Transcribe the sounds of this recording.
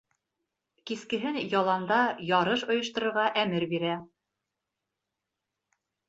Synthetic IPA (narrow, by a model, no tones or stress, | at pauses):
kiskɘ̆ɦɘnjɒlˠɑnd̪ɑjɒɾɤʃŏjŏʃt̪ŏɾŏɾʁɑʔæmɘɾbiɾæ